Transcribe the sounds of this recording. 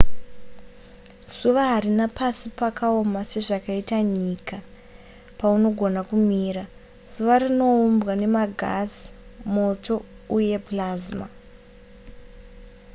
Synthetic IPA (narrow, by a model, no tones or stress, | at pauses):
suʋaɦarinapasipakao̞mase̞ʐakaitaɲika | pauno̞ɡʱo̞nakumiːɾa | suʋarino̞umbɣane̞maɡʱazi̥mo̞to̞ | uje̞plazma